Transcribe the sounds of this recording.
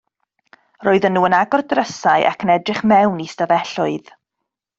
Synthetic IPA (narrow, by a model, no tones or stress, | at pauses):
roːɨðənːuːənaɡɔrdrəsaɨʔa̰kʰənɛdrɪχmɛwnistavɛɬʊɨð